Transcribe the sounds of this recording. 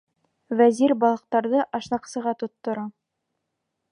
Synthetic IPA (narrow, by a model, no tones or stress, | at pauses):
væziɾbɑlˠɤ̆q̚t̪ɑɾðɤʔɑʃnɑqsɤ̆ʁɑt̪ŏt̪ːŏɾɑ